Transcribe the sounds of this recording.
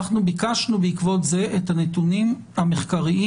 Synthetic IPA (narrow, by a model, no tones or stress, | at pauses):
χnubikaʃnubeikvo̞tze̞ʔethanetunim | hameχkaʁiʔi